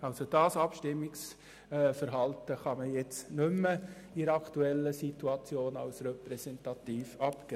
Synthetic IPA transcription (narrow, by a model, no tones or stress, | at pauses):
ɑlsod̥ɑːsɑpʃtɪmːɪks | fəɾɦɑltəχɑməjɛt͡snʏmːə | iɾɑktuɛlːəsituɑt͡sjoːnɑ̰lsɾɛpɾɛsɛntɑtiːfɑpkɛ